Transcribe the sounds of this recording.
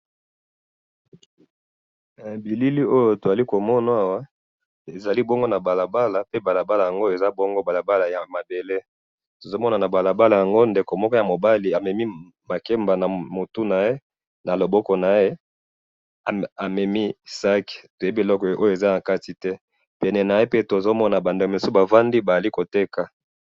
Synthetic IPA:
a˨bi˨li˦li˦o˦jo˦to˨za˨li˦ko˨mɔ˦na˦a˨wa˦ | e˨za˨li˦bɔ˦ŋɡo˦na˨ba˨la˨ba˦la˨pe˦ba˨la˨ba˦la˨ja˨ŋɡo˦e˨za˦bɔ˦ŋɡo˦ba˨la˨ba˦la˨ja˨ma˨be˨le˦ | to˨zo˦mɔ˦na˨na˨ba˨la˨ba˦la˨ja˨ŋɡo˦nde˨ko˨mɔ˦kɔ˦ja˨mo˨ba˦li˨a˨mɛ˨mi˦ | ma˨ke˦mba˨na˨mo˨tu˦na˨je˦ | na˨lo˨bɔ˦kɔ˨na˨e˦ | a˨a˨mɛ˨mi˦sa˦ke̥˨to˨je˦bi˦e˨lɔ˦kɔ˨ʔo˦jo˦e˨za˦na˨ka˦ti˨tɛ˦ | pɛ˨nɛ˨na˨je˦pe˦to˨zo˦mɔ˦na˨ba˨nde˨ke˨su˦ba˨va˦ndi˦ba˨ja˨li˦ko˨te˦ka˨

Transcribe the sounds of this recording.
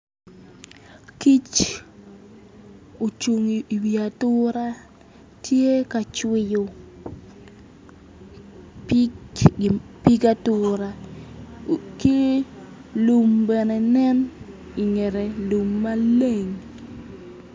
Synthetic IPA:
ki˦t͡ʃ | o˨t͡ʃu˨ŋi˨i˨wi˨a˨tʊɾa˦ | tʰje˦ka˨t͡ʃwɪ˦jo˨ | pi˦ka˦tʊɾa˨ | ki˦ | lu˨mbɛ˨ne˨nɛ˦n | i˨ŋe˨ɾe˨lu˨mːa˦le˦˨ŋ

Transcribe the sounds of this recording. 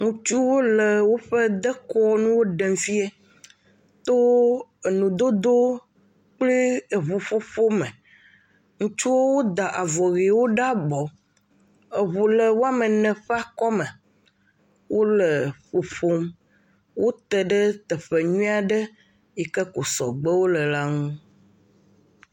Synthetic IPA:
ŋũ˨t͡ʃu˦wo˦lə˨wo˦ɸɛ˦d̪ə˦kɔ˦nũ˦wo˦ɖɛ˨mfi˦e˦ | t̪o˦e˨nũ˨d̪o˦d̪o˦ | k͡ple˦e˨βu˨fo˦fo˦mɛ̃˨ | ŋũ˨t͡ʃu˦wo˦wo˦d̪a˨ʔa˨vɔ˨ɣe˨wo˦ɖa˦bɔ˨ | e˨βu˨lɛ˨wo˦a˦mɛ˨nɛ̃˨ɸa˦kɔ˦mɛ̃˨ | wʔo˦lɛ˨ɸo˨fo˦m | wʔo˦t̪ɛ˨ɖə˦t̪ɛ˨ɸe˨ɲũ˦a˨ɖɛ˦ | ji˨kɛ˦ko˨sɔ̰˨ɡ͡bə˦wo˦lɛ˨la˦ŋũ˦

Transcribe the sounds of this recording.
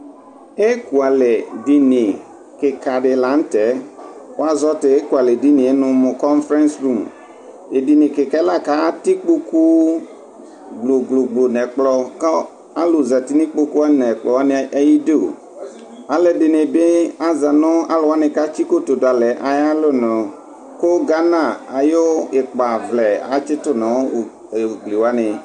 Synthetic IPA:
e˦ku˨a˨lɛ˨di˨nɪ̃˨ | kɪ˨ka˨ɖɪ˨la˨˦n̩˦tɛ˨˦wo˦a˦zɔ˦tɪ˨e˦ku˨a˨lɛ˨di˦nɪ̃˨e˦nʊ̃˨˦mʊ̃˨kɔ˦nfɾɛ̃˦nsɾu˦˨m | e˨di˨nɪ˨kɪ˨kɛ˦la˦˨ka˦tɪ˦k͡po˦ku˦ | ɡ͡blo˨ɡ͡blo˨ɡ͡blo˨nɛ˨k͡plɔ˨ka˦ | a˦lo˨za˨t̪i˦nĩ˦k͡po˦ku˦a˦nɛ̃˨k͡plɔ˨a˦n˦e˦ji˦de˦o̰˨ | a˨lɛ˦dɪ˨nẽ˨be˦a˦za˨nɔ̃˦a˦lo˨wa˦nɛ̃˨ka˦t͡ʃi˦ko˦t̪o˨da˨lɛ˨ʔa˨ja˦lo˦nɔ̃˨ | ko˦ɡa˦nã˨a˨jo˦e˨k͡pa˨vlɛ˨a̰˨t͡ʃɪ˦t̪ʊ˦nã˨wo˦˨ | e˨ɡ͡bli˨wa˦ne˨

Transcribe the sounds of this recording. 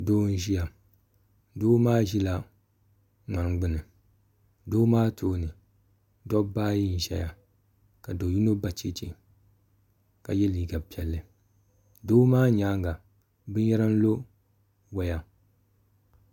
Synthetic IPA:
doː˦n̩˦ʒi˦ja˨ | doː˦maː˦ʒi˦la˨ | ŋ͡ma˨ŋɡ͡bɨ˦nɨ˨ | doː˦maː˦tʰoː˦nɨ˨ | dɔ˦baː˦ji˦n̩˨ʒɛ̰˨ja˨ | ka˨do˨ju˦no˦ba˨t͡ʃe˦t͡ʃḛ˨ | ka̰˨jɛ˦liː˨ɡa˨pi˨ɛ˨lːɨ˨ | doː˦maː˦ɲaː˦ŋɡa˨ | bɨ˦jɛ˦ɾa˦n̩˦lo˦ | wa˨ja˨

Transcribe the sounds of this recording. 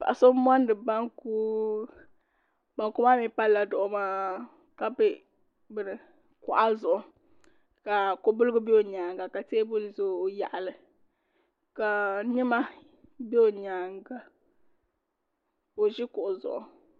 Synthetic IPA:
pa̰˨ʔa˨so˦m˦a˦ndɨ˨ba˦ŋku˦ | ba˨ŋku˦ma˦mi˦pa˦lːla˨dʊ˨ʔʊ˨˦ma˦ | ka˨bɪ˦ | bɨ˨ɾɨ˨ | kʊ˨ʔa˦zʊ˨ʔʊ˨ | ka˨ko˨bʊ˦lɨ˦ɡɨ˦be˦o˨ɲaː˨ŋɡa˨ka˨teː˦bo˦lzo˦˨ja̰˨ʔa˨lɨ˨ | ka˨ɲɪ˦ma˦ | be˦o˨ɲaː˨ŋɡa˨ | o˨ʒɪ˦kʊ˨ʔʊ˨zʊ̰˨ʔʊ˨

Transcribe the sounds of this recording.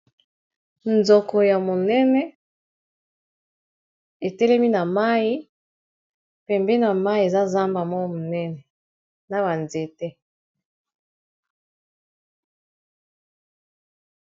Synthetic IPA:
nzɔ˨kɔ˨ja˨mo˨nɛ˦nɛ˦ | e˨tɛ˦lɛ˦mi˦na˨ma˦i˦ | pɛ˨mbɛ˦na˨ma˦i˦e˨za˦za˦mba˨mɔ˦mo˨nɛ˦nɛ˨ | na˨ba˨nze˨tɛ˦

